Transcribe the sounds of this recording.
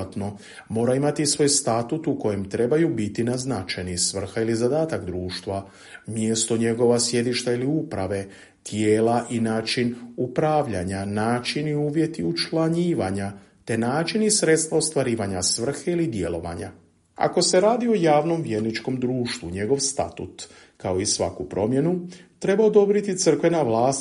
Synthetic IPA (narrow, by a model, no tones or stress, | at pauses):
at̪no̞ | mo̞ːɾaimat̪isʋo̞jst̪at̪ut̪uko̞je̞mt̪ɾe̞bajubit̪inaznat͡ʃenisʋr̩xailizad̪aːt̪akd̪ɾuːʃt̪ʋa | mjest̪oɲe̞ɡo̞ʋasje̞d̪iʃt̪ailiupɾaʋe̞ | t̪jeːlaʔinaːt͡ʃinupɾaʋʎaɲanaːt͡ʃiniuːʋje̞t̪iut͡ʃlaɲiːʋaɲa | t̪e̞naːt͡ʃinisɾe̞t̪st̪ʋaost̪ʋaɾiːʋaɲasʋr̩xeilid̪je̞̰lo̞̰ʋa̰ɲa̰ | a̰ko̞se̞ɾaːd̪io̞jaːʋno̞mʋjeɾnit͡ʃko̞md̪ɾuːʃt̪ʋuɲe̞ɡo̞ʋst̪a̰t̪ṵt̪ | kao̞isʋa̰kupɾo̞mje̞nut̪ɾe̞baod̪o̞bɾit̪it̪sər̩kʋe̞naʋlaːs